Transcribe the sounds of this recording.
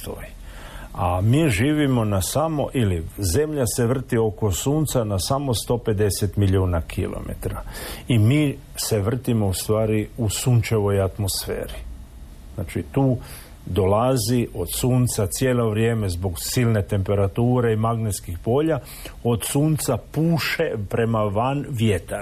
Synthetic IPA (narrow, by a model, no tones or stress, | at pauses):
t̪o̰jiamiːʒiːʋimo̞nasamo̰ʔilize̞mʎase̞ʋr̩t̪io̞ko̞suːnt̪sanasamo̞st̪o̞ːpe̞d̪e̞set̪miʎuːnakʰilo̰mḛt̪ɾaimiː | se̞ʋr̩t̪imo̞ust̪ʋaːɾiusuːnt͡ʃe̞ʋo̞jat̪mosfḛːɾi | znaːt͡ʃit̪uː | d̪o̞lazio̞d̪suːnt̪sat̪sjeːlo̞ʋɾjeːme̞zboɡsilne̞t̪e̞mpe̞ɾat̪uːɾe̞imaɡnet̪skixpo̞ːʎa | o̞d̪suːnt̪sapuːʃe̞pɾe̞maʋanʋjet̪a